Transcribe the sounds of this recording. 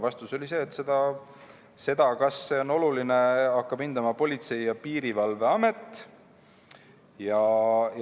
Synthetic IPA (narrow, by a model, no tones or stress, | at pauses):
vɑst̪uso̞lʲise̞ːt̪ːse̞d̪ɑ | se̞d̪̥ɑkɑsːe̞o̞no̞lulineɑkːɑb̥ind̪̥ɑmɑpo̞lʲit̪se̞jjɑpiːɾivɑlve̞ɑme̞t̪ːˑ | jɑ